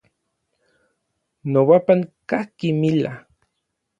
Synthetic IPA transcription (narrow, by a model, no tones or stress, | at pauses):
nowapaŋkakimila̰